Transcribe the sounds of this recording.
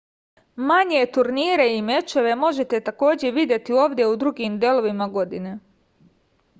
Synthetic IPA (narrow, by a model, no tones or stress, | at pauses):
maɲe̞t̪uɾniːɾe̞ime̞t͡ʃe̞ʋe̞mo̞ʒe̞t̪e̞t̪ako̞ːd͡ʑe̞ʋid̪ʲje̞t̪io̞ːʋd̪je̞ud̪ɾuɡiːmd̪jelˠo̞ʋimaɡo̞d̪ine̞